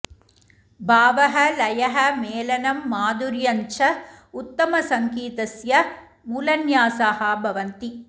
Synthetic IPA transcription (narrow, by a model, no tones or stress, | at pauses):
bʱaːʋɐɦɐlɐjɐɦɐmeːlɐnɐmːaːd̪uɾjɐɲt͡ʃɐ | ut̪ːɐmɐsɐŋkiːt̪ɐsjɐ | muːlɐnjaːsaːɦɐbʱɐʋɐnt̪i